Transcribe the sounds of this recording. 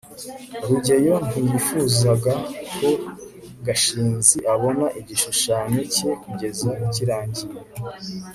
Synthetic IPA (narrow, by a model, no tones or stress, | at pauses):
ɾuɟe̞jo̞n̥ujifuzaɡakʰo̞ | ɡaʃiːnziʔaβo̞naʔiɟiʃuʃaːno̞ce̞kuɟe̞zaiciɾaːɲɟije